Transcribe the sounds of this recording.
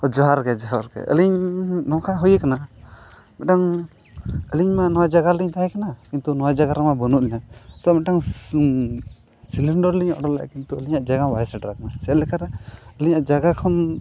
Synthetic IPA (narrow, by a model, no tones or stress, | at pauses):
ɔd͡ʒɔɦaɾkɛd͡ʒɔɦaɾkɛ̰ʔə̰liɲnɔkʰajɦujɛkana | mɛʈaŋ | əliɲmanɔwad͡ʒaɡaliɲt̪aɦɛ̃kanakint̪unɔwad͡ʒaɡaɾamabənuʔlɛnat̪ɔmɛʈaŋ | siliɳɖɔɾliɲɔ̰ɽɔla̰ʔkint̪uəliɲaʔd͡ʒaɡabajɛsaɖɾakanasɛalɛkʰaɾɛəliɲaʔd͡ʒaɡakʰɔn